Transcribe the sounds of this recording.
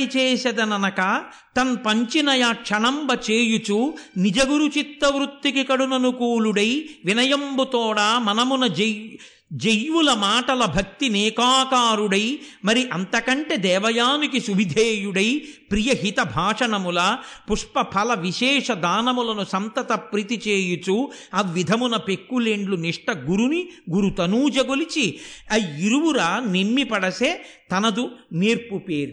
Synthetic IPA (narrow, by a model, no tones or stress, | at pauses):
it͡ʃeːsɐd̪ɐnɐnɐkɐ | t̪ɐnpɐɲt͡ʃinɐjaːkʂɐɳɐmbɐt͡ʃeːjut͡ʃunid͡ʒɐɡuɾut͡ʃit̪ːɐʋɾut̪ːikikɐɽunɐnukuːluɽɐjʋinɐjɐmbut̪ɔːɽaːmɐnɐmunɐ | d͡ʒejʋulɐmaːʈɐlɐbʱɐk̚t̪inɛːkaːkaːɾuɽɐjmɐɾiʔɐnt̪ɐkɐɳʈed̪ɛːʋɐjaːnikisuʋid̪ʱeːjuɽɐjpɾijɐɦit̪ɐbʱaːʂɐɳɐmulɐpuʂpɐpʰɐlɐʋiʃɛːʂɐd̪aːnɐmulɐnusɐnt̪ɐt̪ɐpɾit̪it͡ʃeːjut͡ʃuɐʋʋid̪ʱɐmunɐpekːuleɳɖluniʂʈɐɡuɾuniɡuɾut̪ɐnuːd͡ʒɐɡolit͡ʃiɐjiɾuʋuɾaːnemmipɐɽɐseːt̪ɐnɐd̪uneːɾpupeːɾu